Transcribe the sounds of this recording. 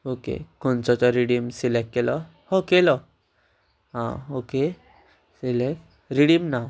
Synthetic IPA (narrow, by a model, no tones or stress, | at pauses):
okḛkont͡sɔt͡sɔɾiɽimsilekːelɔ | hokelɔ | ɦã̰oke | silek | ɾiɽimna